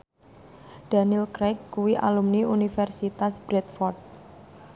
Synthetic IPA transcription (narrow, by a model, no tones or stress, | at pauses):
d̪̥a̤nilkɾɛkːuwiʔa̰lumniunifɛrsit̪asb̥ɾɛt̪fɔrd̪̚